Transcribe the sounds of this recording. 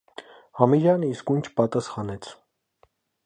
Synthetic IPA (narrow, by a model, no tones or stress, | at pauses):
hɑmiɾjɑnəiskunt͡ʃʰpɑt̪ɑsχɑnɛt͡sʰ